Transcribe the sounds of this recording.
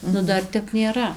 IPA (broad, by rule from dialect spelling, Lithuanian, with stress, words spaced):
ˈnʊ ˈdɐr ˈtʲɛp nʲeːˈrɐ